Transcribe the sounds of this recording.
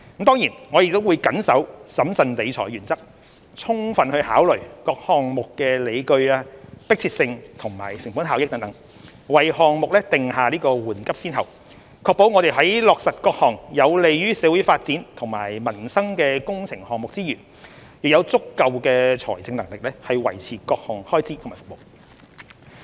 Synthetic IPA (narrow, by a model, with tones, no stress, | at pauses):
mt̪ɔː˥ŋjiː˨˩nŋɔː˨˧jɪ˧t̪wuː˨˧jkɐ˨˥nsɐ˨˥wsɐ˨˥msɐ˨nle˨˧jt͡sʰɔ̰ː˨˩jɥyː˨˩nt͡sɐ˥k̚ | t͡sʰʊ˥ŋfɐ˨nhɵ˧ɥhaː˨˥wlɵ˨˩ɥkɔː˧k̚hɔː˨ŋmʊ˨kːɛː˧le˨˧jkɵ˧ɥaː˧pɪ˥k̚t͡sʰi˧t̚sɪ˧ŋt̪ʰʊ˨˩ŋma̰ː˨˩jsɪ˨˩ŋfuː˨˥nɦaː˨˧wjɪ˥k̪̚ɐ˨˥ŋt̪ɐ˨˥ŋ | wɐ˨jhɔː˨˧ŋmʊ˨k̚lɛ˥t̪ɪ˨ŋhaː˨˧liː˥kɔː˧wuː˨˩nkɐ˥p̚siː˥nɦɐ˨w | kʰɔː˧k̚po˨˥wŋɔː˨˧ɾe˨jɦɐ˨˥jlɔː˨k̚sɐ˨t̚kɔː˧k̚hɔː˨˩ŋjɐ˨˧wle˨jjyː˥sɛː˨˧˥wu˨˥jfaː˧t̚t͡siː˨˥nt̪ʰʊ˨˩ŋma̰ː˨˩jmɐ˨˩nsɐ˥ŋkɛː˧kʊ˥ŋt͡sʰɪ˨˩ŋhɔː˨˩ŋmʊ˨k̚t͡siː˥jyː˨˩n | jiː˨k̚jɐ˨˧wt͡sʊ˥kːɐ˨˧wkɛː˧t͡sʰɔː˨˩jt͡sɪ˧ŋnɐ˨˩ŋlɪ˨k̚lɛː˥hɐ˨jwɐ̰˨˩jt͡sʰiː˨˩kɔː˧k̚hɔː˨˩ŋhɔː˥jt͡siː˥t̪ʰmaː˨˩fo̥˨k̚mo˨˩w